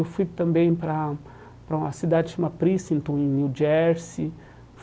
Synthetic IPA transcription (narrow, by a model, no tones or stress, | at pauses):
ewfujt̪ɐ̃mbẽj̃pɾɐ | pɾɐũɐsid̪ad͡ʒɪd͡ʒũmɐpɾisẽnt̪õw̃ẽj̃niwd͡ʒɛɾsi | f